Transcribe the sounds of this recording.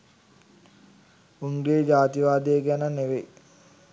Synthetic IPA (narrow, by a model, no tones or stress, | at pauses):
uŋɡed͡ʒaːt̪iʋaːd̪ejeɡanəneʋe